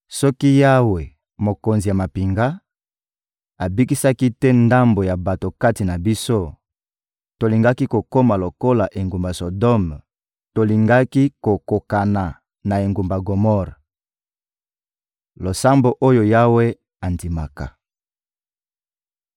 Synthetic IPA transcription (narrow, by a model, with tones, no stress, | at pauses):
sɔ˦ki˦ja˦we˨ | mo˨ko˨nzi˨ja˨ma˨pi˨ŋɡa˦ | a˨bi˦ki˦sa˦ki˦tɛ˦nda˦mbo˨ja˨ba˨to˨ka˦ti˨na˨bi˦so˦ | to˨li˨ŋɡa˦ki˦ko˨ko˦ma˨lo˨ko˦la˨ʔe˨ŋɡu˨mba˨so˨dɔ˦m | to˨li˨ŋɡa˦ki˦ko˨ko˨ka˨na˨ | na˨e˨ŋɡu˨mba˨ɡo˨mɔ˦ʁ | lo˨sa˦mbo˦ʔo˦jo˨ja˦we˦ | a˨ndi˨ma˨ka̰˨